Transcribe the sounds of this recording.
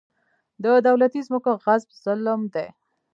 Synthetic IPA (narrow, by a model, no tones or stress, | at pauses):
d̪əd̪awlat̪izməkoɣazbz̥ʊlmd̪e